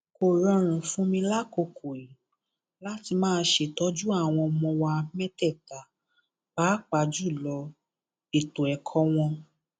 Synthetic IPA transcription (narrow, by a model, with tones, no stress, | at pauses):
ko˨ɾɔ̃˨˧ɾ̃ũ˨fũ˦mĩ˧la˦ko˧kʰo˨i˨ | la˦ti˧mãː˦˧˦ʃe˨tɔ˦d͡ʒu˦a˦˨w̃ɔ̃˧ɔ˧mɔ̃˧wa˧mɛ˦tɛ˦˨ta˨ | b̥aː˨˦k͡pa˧˨d͡ʒu˦˨lɔ˧ | e˨to˨ɛ˨kʰɔ˨˦w̃ɔ̃˧